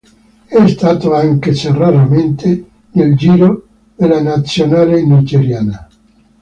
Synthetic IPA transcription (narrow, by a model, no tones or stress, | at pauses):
ɛst̪aːt̪oaŋket͡ʃeraɾament̪ʰe | neld͡ʒiːɾo | d̪elanat̪sːjonaːlenid͡ʒeɾjaːna